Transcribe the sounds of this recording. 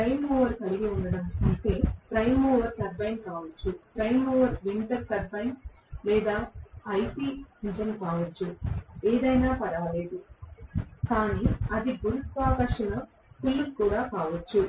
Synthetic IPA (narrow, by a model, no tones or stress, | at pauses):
pɾɐjmoːʋɐɾk̪ɐliɡiunɖɐɽɐmɐɳʈeːpɾɐjmoːʋɐɾt̪ɐɾbɐjnkaːʋɐt͡ʃːupɾɐjmoːʋɐɾʋiɳʈɐɾt̪ɐɾbɐjn | lɛːd̪aːɐjsinid͡ʒɐnkaːʋɐt͡ʃːueːd̪ɐjnaːpɐɾaːleːd̪u | kaːniːɐd̪iɡuɾut̪ʋaːkɐːʂɐnɐ | t̪ulːukkuːɽaːkaːʋɐt͡ʃːu